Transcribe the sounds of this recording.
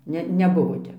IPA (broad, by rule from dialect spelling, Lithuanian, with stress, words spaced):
ˈnʲɛ nʲɛˈbʊʋoː ˈtʲɛp